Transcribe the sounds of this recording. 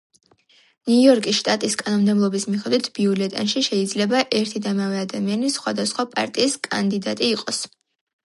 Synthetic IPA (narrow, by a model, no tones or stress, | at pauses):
nujɔɾkʼisʃt̪ʼat̪ʼiskʼanɔmd̪ɛblˠɔbismiχɛd̪wit̪ʰbiulɛt̪ʼanʃiʃɛid̪zlɛbaʔɛɾt̪ʰid̪amavɛad̪amianisχwad̪asχwapʼa̰ɾt̪ʼiːskʼand̪id̪at̪ʼiːqʼɔs